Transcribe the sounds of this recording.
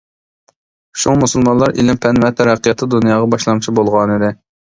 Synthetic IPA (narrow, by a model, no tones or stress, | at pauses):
ʃumusulˠmɑnlˠɑɾḭlɪmpʰɛnvɛt̪ʰɛɾæqʰːijɑt̪ʰɨd̪unjɑːʁɑbɑʃlˠɑmt͡ʃʰibolˠʁɑnɨd̪ɪ